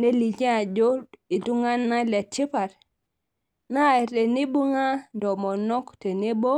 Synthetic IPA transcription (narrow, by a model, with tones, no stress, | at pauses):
ne˦li˨d͡ʒe˦a˨d͡ʒo˦i˨tu˦ŋa˦nːa˦le˨t͡ʃi˦pa˨ɾ | na˦˨te˨ni˦bu˦ŋa˦do˨mo˨no˦kte˨ni˦bo˦